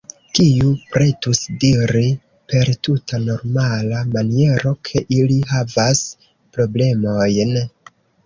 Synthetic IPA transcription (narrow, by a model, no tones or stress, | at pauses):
kiupɾe̞tusdiɾi | pe̞ɾtutʰano̞ɾmalamanie̞ɾo̞kʰe̞ʔiliɦavas | pɾo̞ble̞mo̞jn